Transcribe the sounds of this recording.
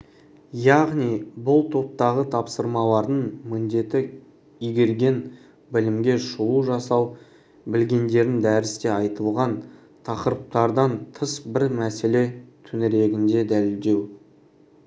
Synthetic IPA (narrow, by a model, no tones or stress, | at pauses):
jɑʁnijbʊlˠt̪ʰo̞p̚t̪ɑʁət̪ʰɑpsəɾmɑlˠɑɾd̪əɴmɪnd̪e̞t̪ɪ | ijɡʲe̞ɾɡʲe̞n | bɪlɪmɡʲe̞ʃuuʒɑsɑw | bɪlɡʲe̞nd̪e̞ɾɪnd̪æɾɪst̪e̞ɑjt̪əlˠʁɑn | t̪ʰɑqəɾəp̚t̪ɑɾd̪ɑnt̪ʰəsbɪɾmæse̞le̞t̪ʰɵnɪɾe̞ɡʲɪnd̪e̞d̪ælɪld̪e̞w